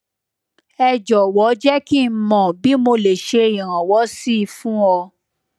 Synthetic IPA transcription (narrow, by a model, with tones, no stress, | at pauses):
ɛ˧d͡ʒɔ˨wɔ˨˦d͡ʒɛ˦ki˦˨˧mɔ̃˨bi˨˦mo˧le˨ʃe˧i˨ɾ̃ã˨wɔ˨˦si˦˨˧fũ˦ɔ˧